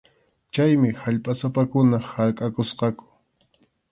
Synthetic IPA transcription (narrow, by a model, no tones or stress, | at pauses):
t͡ʃajmɪhaʎpʼasapakʊnahaɾkʼakosqɑkʊ̥